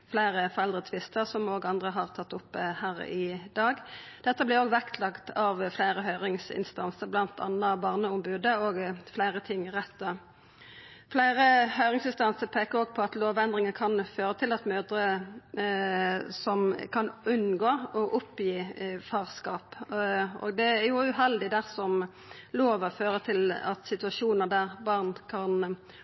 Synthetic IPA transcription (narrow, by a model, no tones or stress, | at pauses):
flæɪʁəfɔʁɛld̪ʁət̪ʰʋɪst̪əʁsɔmoːɡɑnd̪ʁəɦɑʁt̪ʰɑt̪ːʊpːhæːʁɪd̪ɑːɡd̪̥ɛt̪ːəblɪʁoːɡʋækt̪ʰlɑkt̪ʰɑʋflæɪɾəɦœʏʁɪŋsɪ̰nst̪ɑnsəɾblɑnt̪ʰɑ̰nːɑbɑʁnəʊmbʉːd̪əoːɡflæɪʁət̪ʰɪŋʁɛt̪ːə | flæɪʁəhœʏɾɪŋsɪnst̪ɑnsəpʰeːkəɾɔɡpʰɔɑt̪loːʋɛnd̪ʁɪŋəkʰɑnføːɾət̪ʰɪlɑt̪møːd̪ɾə | sɔmkʰɑnʉnːɡoːɔʔʊpjiːfɑːʁskɑːp | ɔ̰ɡd̪ɛæɾjʊʉɦɛld̪ɪd̪æʁsɔm | loːʋɔføːɾət̪ʰɪlɑt̪sɪt̪ʉɑʂuːnəʁd̪æʁbɑʁnkʰɑn